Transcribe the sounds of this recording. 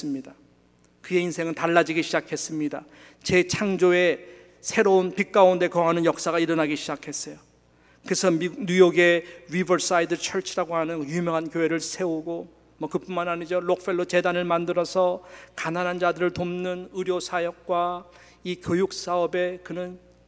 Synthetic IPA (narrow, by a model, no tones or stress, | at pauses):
sɯmɲida | kɯe̞insʰe̞ŋɯntaɭːad͡ʑiɡiɕʰid͡ʑakʰe̞s͈ɯmɲida | t͡ɕe̞t͡ɕʰaŋd͡ʑoe̞ | sʰe̞ɾounpik͈aunde̞kʌŋanɯnjʌk̚s͈aɣaiɾʌnɦaɡiɕʰid͡ʑakʰe̞s͈ʌjo | kɯɾesʰʌmiɲujoɡe̞ɾibʌɾs͈aidɯɭt͡ɕʰʌɭt͡ɕʰiɾaɡoɦanɯnjumjʌŋɦankjoɦe̞ɾɯɭsʰe̞oɡo | mʌkɯpunmanaɲid͡ʑolok̚f͈ʰe̞ɭːot͡ɕe̞danɯɭmandɯɾʌsʰʌkananɦand͡ʑadɯɾɯɭtomnɯnɯɾjosʰajʌk̚k͈wa | ikʲjojuk̚s͈aʌbe̞kɯnɯn